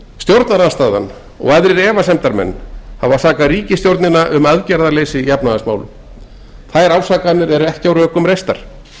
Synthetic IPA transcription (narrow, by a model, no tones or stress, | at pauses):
st̪jowɾt̪naɾaðst̪aːða̰n | ɔ̰ɣɛðɾɪɾɛːvasɛmt̪aɾmɛ̰nːhavaθaːkaɾiːcɪst̪jowɾt̪nɪnaʔʏmœðcɛɾðaleːjsɪjapnaðasmaːwlʏ̰ | θajɾaːwsaːkanːɪɾɛɾʏɛhcɪawɾœːkʏmɾejst̪aɾ̥